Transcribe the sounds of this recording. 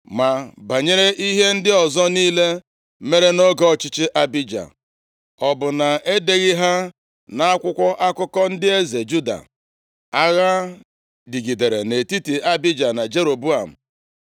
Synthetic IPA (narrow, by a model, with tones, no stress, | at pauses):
ma˨ba˨ɲe˦ɾe˦ʔi˦ɦe˦n̩˦dɪ˦ɔ˨zɔ˦niː˦le˦ | me˦ɾe˦no˦ɡɔ˦˨t͡ʃɪ˦t͡ʃɪ˦ʔa˦bi˦d͡ʒa̰˨ | ɔ˨bʊ˨na˨e˦de˨ɣi˦ɦa˦ | na˦a˦kʷʊ˦kʷɔ˦ʔa˦kʊ˦kɔ˦n̩˦dɪ˦e˦ze˨d͡ʒu˦da̰˨ | a˦ɣa˦ | di˨ɡi˨de˨ɾe˨ne˨ti˦ti˨a˦bi˦d͡ʒa˨na˨d͡ʒe˦ɾo˨bu˦a˨m̩˨